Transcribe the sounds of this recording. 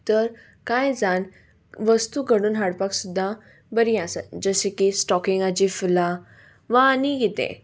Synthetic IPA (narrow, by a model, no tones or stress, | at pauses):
t̪əɾ | kajd͡zan | ʋəst̪uɡəɽuːnɦaɽpaksud̪ʱːa | bəɾiasə̰d͡ʑəsẽkisʈɔkiŋɡad͡ʑifula | ʋaːniɡit̪ɛ̰̃